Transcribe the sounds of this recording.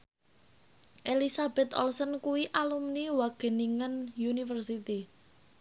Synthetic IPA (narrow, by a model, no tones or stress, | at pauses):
ʔelisab̥ɛt̪ɔ̰lsənkuwiʔalumniwaɡ̥e̤niŋanjunifərsit̪i